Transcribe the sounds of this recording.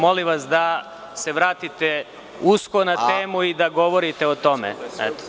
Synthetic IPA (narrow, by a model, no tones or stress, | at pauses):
moliʋasd̪a | se̞ʋɾaːt̪it̪e | uskonat̪eːmuid̪aɡo̞ʋoɾit̪e̞ot̪o̞mḛɛ̰t̪o̥